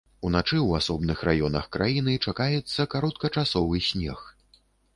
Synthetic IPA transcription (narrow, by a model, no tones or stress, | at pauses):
unat͡ʂɨwasɔbnɨxrʔajɔnɐxkɾajin̪ɨt͡ʂakajɛt̪sːɐkaɾɔt̪̚kɐt͡ʂasɔvɨsʲnʲɛ̰x